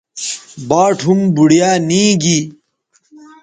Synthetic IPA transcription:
baːʈʰumbuɽijaːnĩːɡi

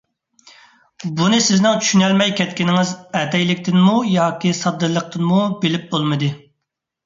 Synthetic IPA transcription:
bunɨsɪznɪŋt͡ʃʰy̥ʃynɛlmɛjkʲʰɛt̪̚kʲinɪŋɪzɛt̪ɛjlɪkʲt̪ʰɪnmujɑːkʲisɑd̪ːɨɾlˠːəq̚t̪ʰɨnmubɪlɪp̚bolˠmɨd̪ɨ

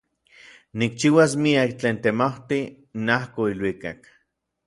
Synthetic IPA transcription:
nik̚t͡ʃiwas̬miakt͡ɬeːnt̪emawt̪i | nahkoilwikak

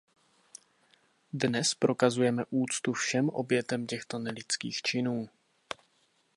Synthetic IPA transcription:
dnɛspɾʔo̞kazujɛmɛʔuːt͡st̪ufʃɛmʔo̞̰bjɛt̪ɛmcɛxt̪o̞nɛlɪt͡skḭːxt͡ʃɪnuː

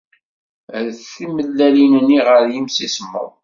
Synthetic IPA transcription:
ðθiməlːælinənːiʁəɾjimsismːə̰ð

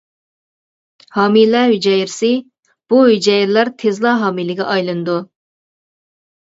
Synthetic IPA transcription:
hɑːmilɛɦyd͡ʒɛjɪɾsɪ | b̥uɦyd͡ʒɛjɪɾlæɾt̪ʰezlˠɑːɦɑːmilɪɡʲɛ̰ʔɑjlˠɨnɨd̪u

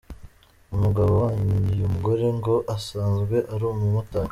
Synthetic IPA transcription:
umuɡaβowaːɲijumuɡo̞ɾe̞ŋɡo̞ʔasaːnzɡwe̞ʔaɾumumuta

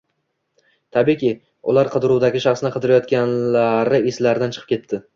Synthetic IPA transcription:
t̪ʰabikʲi | ʊ̰laɾqʰɨd̪ɪɾuwd̪aɡʲɪʃɑχsɪnɪqʰɨd̪ɪɾajɒt̪kʲanlaɾɪeslaɾɪd̪ant͡ʃʰɨ̥qɨ̥pkʲʰe̞t̪ʰːɪ

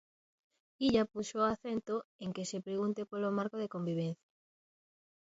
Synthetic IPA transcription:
iʎapuʃoaθent̪oeŋkesepɾeɣunt̪epolomaɾkoðekombiβen̟θja

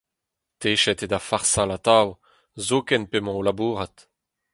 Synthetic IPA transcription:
t̪eːʃɛt̪ed̪afaʁsalat̪aw | zokɛnpemɑ̃olabuːʁat̪

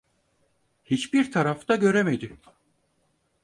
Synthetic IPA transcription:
hit͡ʃbiɾt̪ʰaɾaft̪ʰaɟø̞ɾeme̞d̪ɪ

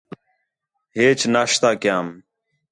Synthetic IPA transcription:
ɦeːt͡ʃnaːʃt̪aːkɪjaːm

